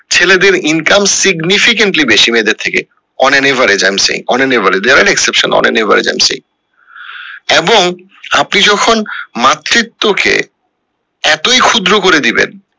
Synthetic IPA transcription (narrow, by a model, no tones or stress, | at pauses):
t͡ɕʰeled̪eɾinkamsiɡnifikeɳʈlibeʃimed̪eɾt̪ʰekḛ | ɔnenevaɾed͡ʑajmsḛḭ̃ŋɔnenevaɾed̪eɾaɾeksepʃonɔ̰nenevʱa̰ɾḛd͡ʑa̰jmsḛḭŋ | eboŋ | a̰pnid͡ʑɔkʰonmat̪ɾit̪ːokḛ | ɛt̪ojkʰud̪ɾokoɾed̪ibḛn